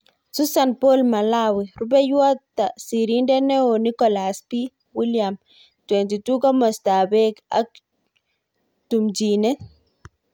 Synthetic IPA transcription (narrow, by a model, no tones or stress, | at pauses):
susanpolmalawiɾubɛjwatːasiɾindɛnɛonikɔlaspi | wiljam | twɛntitukɔmɔstabɛka̰k̚ | tumd͡ʒinɛ